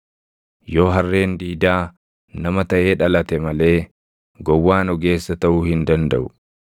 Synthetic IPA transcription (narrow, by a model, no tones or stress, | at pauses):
jo̞ːɦɐrːe̞ːnd̪iːd̪aː | nɐmɐt̪ɐʔe̞ːᶑɐlɐt̪ɛmɐle̞ː | ɡɔwːaːnɔɡe̞ːsːɐt̪ɐʔuːhɪnd̪ɐnd̪ɐʔʊ